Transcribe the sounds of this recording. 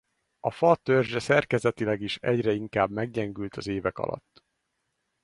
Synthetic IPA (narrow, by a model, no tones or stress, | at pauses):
ɒfɒt̪ørʒɛsɛrkɛzɛt̪ilɛɡiʃɛɟrɛiŋkaːbmɛɡɟɛŋɡylt̪ʰɒzeːvɛkɒ̰lʔɒ̰t̪ː